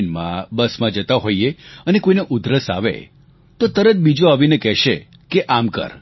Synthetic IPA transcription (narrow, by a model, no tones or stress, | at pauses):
nmã̰bəsmãd͡ʒət̪aɦoieənekoineʔʊd̪ɾəsa̰ʋḛ | t̪ot̪əɾət̪̚bid͡ʒoaʋinekɛʃe | keʔamkə̰ɾ